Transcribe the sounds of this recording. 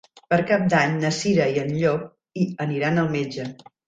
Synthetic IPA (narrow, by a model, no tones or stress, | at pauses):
pəɾkap̚d̪aɲnəsiɾəiənʎɔk̚ | iəniɾanəlˠmed͡ʒə